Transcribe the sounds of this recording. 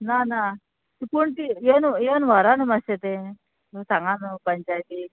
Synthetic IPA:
nana | t̪ipuɳt̪ienuenʋɐɾanumɐset̪e | sɐŋɡanupɐɲt͡ʃajt̪i

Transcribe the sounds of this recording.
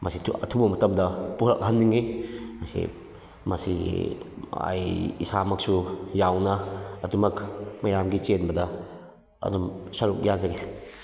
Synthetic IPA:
mɐsiɐtʰubɐmɐtɐmdɐpuɾɐ̰k̚ɦɐnːiŋimasḭ | mɐsḭ | a̰jisamɐk̚sujawnɐɐdumɐkmɐjamɡit͡ʃenbɐdɐ | ɐ̰dumsɐɾuk̚jazaɡe

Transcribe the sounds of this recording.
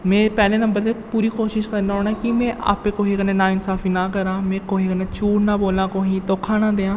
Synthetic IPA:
mẽːpɛːlẽːnəmbəɾt̪eːpuːɾiːkoːʃɪʃkəɾnaːɦoːɽaːkɪmẽːʔa̰ːpẽːkoɦiːkəneːnaːɪnsaːfʰiːnaːkəɾãːmẽːkoːɦiːkəneːt͡ʃuːɽnaːboːlãːkoːɦĩːt̪oːkʰaːnaːd̪eːãː

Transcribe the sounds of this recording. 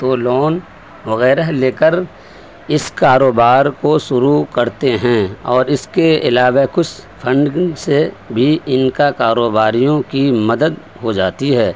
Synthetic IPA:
t̪olɔːn | ʋɐɣɛːɾəɦleːkəɾ | ɪskaːɾoːbaːɾkoʃʊɾukɐɾt̪eɦɛ̃ɔːɾɪskeɪlaːʋekʊt͡ʃʰpʰə̃ɳɖse | bʱiɪnkakaːɾoːbaːɾijõkimɐd̪əd̪ | ɦod͡ʒaːt̪iɦɛː

